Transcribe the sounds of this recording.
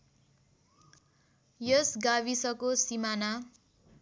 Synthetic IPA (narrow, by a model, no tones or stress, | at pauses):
jʌsɡaβisʌkosimana